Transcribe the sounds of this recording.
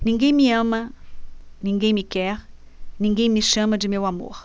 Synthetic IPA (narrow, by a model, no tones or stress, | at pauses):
nĩŋɡẽj̃miɐ̃mɐ | nĩŋɡẽj̃mikɛɾ | nĩŋɡẽj̃miʃɐ̃mɐd͡ʒimewamo̰ɾ